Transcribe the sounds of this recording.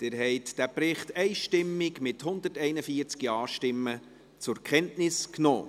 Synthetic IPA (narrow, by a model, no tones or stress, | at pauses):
d̪̥ɪːɾɦɛɪtd̥æpɾɪχtɛɪʃtɪmːɪkmɪthʊnd̪ətɛɪnəfiːəɾt͡skiɑːʃtɪmːə | t͡sʊɾkʰχɛntnɪsknoː